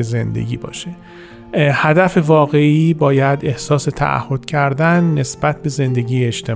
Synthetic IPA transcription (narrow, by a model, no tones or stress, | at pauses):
eze̞nd̪e̞̰ɡʲḭːbɒ̰ːʃe | hæd̪æfe̞vɒːɣe̞iːbɒːjæd̪e̞hsɒːse̞t̪ʰæ̰ʔæ̰hːo̞d̪̥cʰæɾd̪ænːe̞sb̥æt̪̚ʰbe̞ze̞nd̪e̞ɟʲiːeeʃt̪ʰe